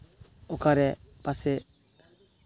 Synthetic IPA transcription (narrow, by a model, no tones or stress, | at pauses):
ɔkaɾɛpasɛ